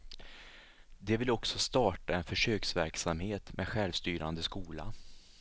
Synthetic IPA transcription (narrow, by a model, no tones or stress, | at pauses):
d̪ɛvɪlɔksɔst̪ɑːʈaɛnfœʂøːksvæɾksamheːt̪meɛːd̪ɧɛlvst̪yːɾand̪əskuːla̰